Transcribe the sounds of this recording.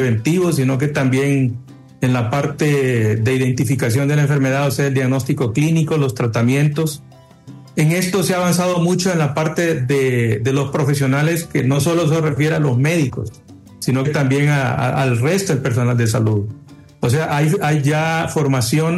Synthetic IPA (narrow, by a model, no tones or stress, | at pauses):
eβent̪iβo̞s̬ino̞k̬e̞t̪ambje̞ŋ | enlapaɾt̪e̞ðe̞iðe̞nt̪ifikas̬jo̞nd̪e̞laeɱfe̞ɾme̞ðaðoseaeld̪jaɣno̞st̪iko̞kliniko̞lo̞st̪ɾat̪amje̞nt̪o̞s | eŋe̞st̪o̞seaːβansað̞o̞mũt͡ʃo̞enlapaɾt̪e̞ðeðe̞lo̞spɾo̞fe̞sjo̞nale̞ske̞no̞so̞los̬refje̞ɾealo̞zme̞ðiko̞̰s | sino̞ket̪ambje̞ŋaa̰alre̞st̪oðelpe̞ɾs̬o̞nald̪e̞s̬aluð | os̬eaʔajajʝafo̞ɾmasjo̞n